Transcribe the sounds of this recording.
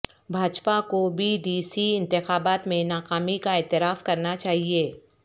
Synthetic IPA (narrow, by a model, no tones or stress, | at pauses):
bʱaːt͡ʃpakobʱiɖiːsiɪ̃nt̪ɪxaːbaːt̪mẽnaːkaːmikaɛːt̪ɪɾaːfkɐɾnat͡ʃaːɦieː